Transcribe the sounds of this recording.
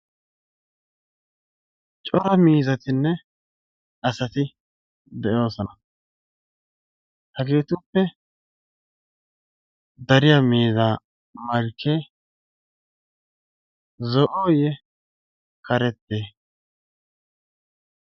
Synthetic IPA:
t͡ʃʼɔɾɐmiːzɐt̪ɪnːɛ | ɐsɐt̪ɪ | d̪ɛʔo̞ːsɔnɐ | hɐɡeːt̪ʊpːɛ | d̪ɐɾɪjaːmiːzaː | mɐɾkʰːeː | zɔʔoːjɛ | kɐɾɛt̪ːeː

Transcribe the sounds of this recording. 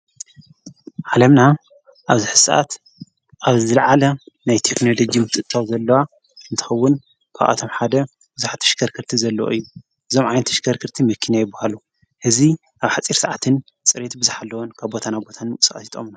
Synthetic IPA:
ʕalɐmna | ʔaβzɨħɨ̥sʔa̰t̪ | ʔaβzɨlʕalɐnajt̪ʰekno̞lod͡ʒimɨt̪ʰʼɨʔt̪ʰːawzɐlːɐwa | ɨnt̪ʰɨ̥xɐwːʊn | kʰa̰wʔa̰t̪ʰomħad̪ɐ | b̥ɨzuħat̪ʰɐ̥ʃɡɐɾkʰɨɾt̪ʰizɐlːɐoʔɨ̰jːu | ʔɨzo̞mʕajnt̪ʰɐ̥ʃkɐɾkʰɨɾt̪ʰimɐkʰːinajɪbahalu | hɨzi | ʔaβħat͡sʼiɾsɐʕat̪ʰɨn | t͡sʼɨɾet̪bɨzɨħalːɐwonkʰaβbo̞t̪ʰanabo̞t̪ʰanmɨkʼsʼkʼɐsit̪ʼo̞̰mn

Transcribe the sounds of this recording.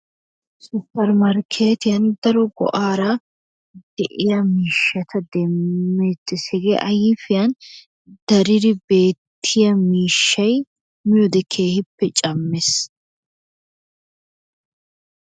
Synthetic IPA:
suːpːɐɾmɐɾkʰeːt̪ɪjɐnd̪ɐɾɔɡɔ̰ʔaːɾɐ | d̪̥ɛʔɪjɐmiːʃːɐt̪ʰɐd̪ɛmːeːt̪ːɪsɛɡeʔɐjɪfɪjɐn | d̪̥ɐɾɪd̪ɪbe̞ːt̪ʰːɪjɐmiːʃːɐj | mɪjɔd̪ɛkʰe̞ːhɪpːɛt͡ʃʼɐmːes

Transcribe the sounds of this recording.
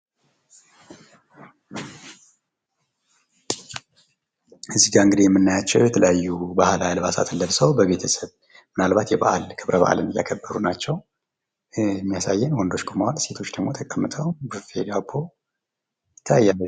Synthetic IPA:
ɨzːiɡaɨŋɡɨd̪ijɛmːɨnːajat͡ʃːɛwjɛt̪ʰələjajːubahalajlβasa̰t̪ʰɨlːəβsəwbəβe̞t̪ʰəsəβ | mɨnalbat̪jɛba̰ʔa̰lkʰɨβɾəβa̰ʔa̰lɨnɨja̰kʰəbːəɾunat͡ʃːɛw | ɛmːijasajːɛnwɔnd̪o̞t͡ʃːkʰomahalse̞t̪ʰo̞t͡ʃːd̪əɡmo̞t̪ʰəkʼəmːɨt̪ʰəwbəɨfḛd̪abːo | ɪt̪ʰːajːalːə

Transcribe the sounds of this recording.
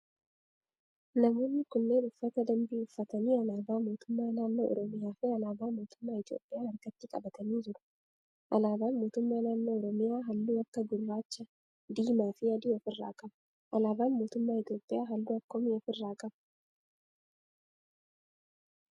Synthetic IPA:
nɐmo̞ːnːɪkʊnːeːnʔʊfːɐt̪ɐd̪ɐmbiːʊfːɐt̪ɐniːɐnaːbaːmo̞ːt̪ʊmːaːnaːnːo̰ʔɔ̰ɾɔmɪjaːfɪɐlaːbaːmo̞ːt̪ʊmːaːɪt̪jo̞̰ːpʼːɪjaːɐɾɡɐt̪ːɪkʼɐbɐt̪ʰɐniːd͡ʒɪɾʊ̥ | ʔɐlaːbaːnmo̞ːt̪ʊmːaːnaːnːoːɔɾɔmɪjaːɦɐnːʊwɐkːɐɡʊlːaːt͡ʃːɐ | d̪iːmaːfɪɐd̪iɐfɪrːa̰ːkʼɐb | ʔɐlaːbaːnmo̞ːt̪ʊmːaːɪt̪jo̞ːpʼːɪjaːɦɐlːʊɐkːomɪɐfɪrːaːkʼɐb

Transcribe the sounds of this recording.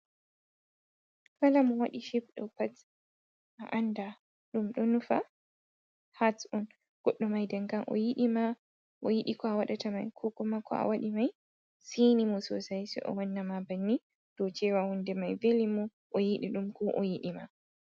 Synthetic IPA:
falamɔwaɗiʃip̚ɗɔpat | ʔa̰ʔanda | ɗumɗɔnufa | hatɔn | ɡ̥ɔɗːɔmajdɛŋkamʔɔ̰jiɗima | ʔɔjiɗikɔawaɗatama̰jkʰɔkɔmakʰɔ̰a̰waɗimaj | sinimɔsɔ̰sajsɛ̰ʔɔ̰wanːamabanːi | d̥ɔt͡ʃɛwahundɛmajvelimɔ | ʔɔjiɗiɗumkʰɔʔɔjiɗima̰

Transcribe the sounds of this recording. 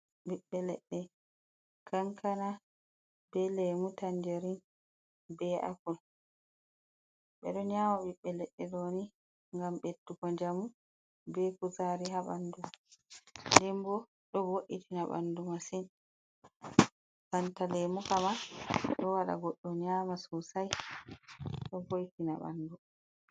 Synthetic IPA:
ɓiɓːɛlɛ̰ɗːɛ | kaŋkana | bɛlemutand͡ʒeɾin | bɛʔa̰kul | ɓɛ̰ɗɔnamaɓiɓːɛlɛɗːɛɗoni | ŋɡamɓetːukɔɲd͡ʒamu | bɛkuzaɾiɦaɓanduma | ndɛmbɔ | ɗɔboʔitʰinaɓa̰ndumasin | kantalemukamaɗɔwaɗa̰ɡɔɗːɔɲaːmasusaj | ɗɔbojitinaɓa̰ndu

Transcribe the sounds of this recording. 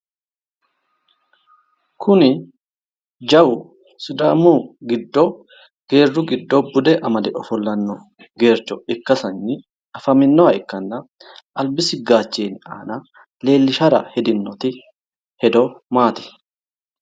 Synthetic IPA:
kʰʊnɪ | d͡ʒɐwʊ | sʊd̪aːmuːɡɪd̪ːo | ɡ̥eːrːʊɡɪd̪ːobʊd̪ɛʔɐmɐd̪ɛʔɔfɔlːɐnːɔ | ɡe̞ːɾt͡ʃːɔɪkːɐsɐnːɪ | ɐfɐmɪnːɔɐɪkːɐnːɐ | ʔɐlbɪsɪɡaːt͡ʃːeːna̰ːnɐ | le̞ːlːɪʃɐɾɐ̰hɛd̪ɪnːɔt̪ɪ | hɛd̪ɔmaːt̪ɪ̥

